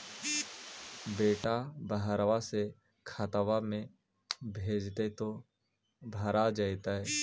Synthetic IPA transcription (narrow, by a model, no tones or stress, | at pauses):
beːʈabəɦɾʋase | kʰat̪aʋamẽ | bʱeːd͡ʒt̪et̪o | bʱəɾad͡ʒaɪt̪aɦɛ